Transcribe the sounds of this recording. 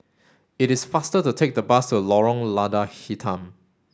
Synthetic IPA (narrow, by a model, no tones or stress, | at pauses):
ɪtɪsfastətutʰek̚dəbastulɔɹɔ̃ŋladahitʰãm